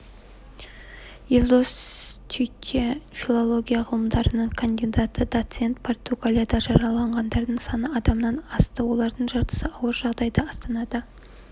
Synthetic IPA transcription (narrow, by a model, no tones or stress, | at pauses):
jelʲˠd̪ost̪ʲʰʏtʲʰefʲilˠo̞lˠo̞ɡʲijaʁəlˠəmd̪ɑɾənəɴkʰond̪ʲid̪at̪əd̪ot̪se̞nt̪̚pʰo̞rt̪uɡalʲjad̪ɑʒɑɾɑlˠɑɴʁɑnd̪ɑɾd̪əɴsɑnəɑd̪ɑmənɑnɑst̪əwo̞lˠɑɾd̪əɴʒɑɾt̪ə̥səɑwəɾʒɑʁd̪ɑjd̪ɑɑst̪ɑnɑd̪ə